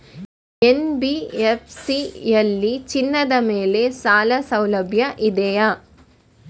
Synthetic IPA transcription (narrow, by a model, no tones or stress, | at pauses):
ɛnbiefsielːit͡ʃɪnːɐðɐmeːlesaːlɐsɐwlɐbʱjɐʔɪd̪ɛja